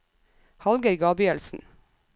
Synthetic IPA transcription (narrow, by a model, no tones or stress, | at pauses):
hɑlɡəɾɡɑːbʏəlsn̩